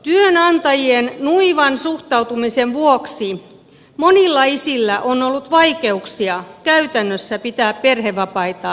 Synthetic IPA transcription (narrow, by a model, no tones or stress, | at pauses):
t̪yønɑnt̪ɑjiennuiʋɑnsuht̪ɑut̪umiseʋʋuoksi | monilːɑisilːæʔonolːut̪ʋɑike̞uksiɑkæyt̪ænːøsːæpit̪æːpperheʋʋɑpɑit̪ɑ